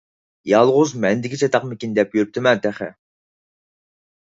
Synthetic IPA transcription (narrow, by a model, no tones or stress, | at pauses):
jɑlˠʁʊzmɛnd̪ɪkʲit͡ʃʰɛt̪ɑqmɪkʲind̪ɛpjøɾyp̚t̪ʰɪmɛnt̪ʰæχɛ̰